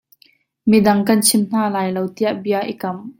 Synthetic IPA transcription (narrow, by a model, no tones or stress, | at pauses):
midɐŋkɐnt͡sʰɪmn̥aːlaːjlowt̪iaʔbiaʔḭkɐm